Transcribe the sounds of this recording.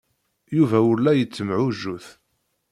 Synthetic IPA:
juvæʊɾlːæjət͡sːəmʕuʒːuθ

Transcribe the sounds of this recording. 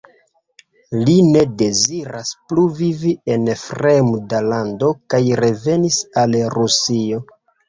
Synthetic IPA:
line̞de̞ziɾaspluvivie̞nfɾe̞mdalando̞kajɾe̞ve̞nisalɾusio̞

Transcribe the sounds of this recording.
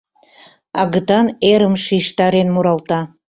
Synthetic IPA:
ɑ̰ɣə̆t̪ɑneɾəmʃiʃt̪ɑɾenmuɾɑlt̪ɑ

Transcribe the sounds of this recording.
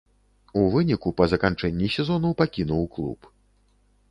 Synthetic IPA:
uvɨnʲikupɐzɐkant͡ʂɛnʲːisʲɛzɔnupakʲinuwklˠṵp

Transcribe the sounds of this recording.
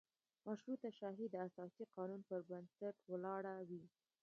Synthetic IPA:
maʃɾut̪aʃaɦid̪əasɑsiqɑnunpəɾbənsaʈwlɑɽawi

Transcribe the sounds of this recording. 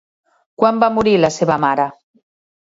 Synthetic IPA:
kwambamuɾilaseβamaɾə

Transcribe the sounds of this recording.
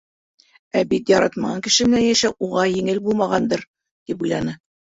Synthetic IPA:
æbit̪jɑɾɑt̪mɑʁɑŋkɘ̆ʃɘ̆mɘ̆nænjæʃæwuʁɑjɘ̆ŋɘlbulˠmɑʁɑnd̪ɤɾ | t̪ipujlˠɑnɤ

